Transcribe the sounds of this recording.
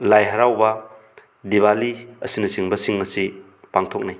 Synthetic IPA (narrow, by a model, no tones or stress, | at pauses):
lajɦɐɾawbɐ | diβaliɐsinɐsiŋbɐsiŋːɐsi | paŋtʰok̚naj